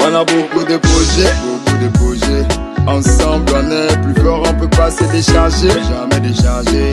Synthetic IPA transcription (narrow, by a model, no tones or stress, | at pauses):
ɔ̃nabokud̪əpχɔʒɛbokud̪əpχɔʒɛ | ɑ̃sɑ̃blɔ̃nɛplyt̪ɔʁɔ̃pøpasəd̪eʃaʁʒeʒamɛd̪eʃaʁʒe